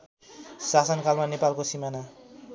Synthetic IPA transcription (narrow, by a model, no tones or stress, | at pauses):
sasʌnkalmanepalkosimana